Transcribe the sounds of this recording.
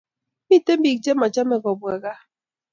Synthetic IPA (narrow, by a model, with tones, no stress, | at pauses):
bi˦˨te˦m˦i˨k̚d͡ʒe˦ma˨d͡ʒa˦mɛ˨ɡɔ˨bwa˨ɡa˦